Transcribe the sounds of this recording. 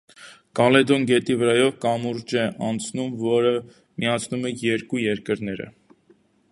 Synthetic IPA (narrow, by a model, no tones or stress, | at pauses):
kɑlɛd̪ɔnɡɛt̪ivəɾɑjɔvkɑmuɾd͡ʒɛʔɑnt͡sʰnumvɔɾə | mijɑt͡sʰnumɛjɛɾkujɛɾkəɾn̪ɛɾə̰